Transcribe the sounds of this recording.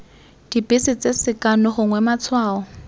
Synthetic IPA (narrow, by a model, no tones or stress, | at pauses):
d̥ipɪsɪt͡sʼesɪkʼanɔχʊŋwɛmat͡sʰwaːɔ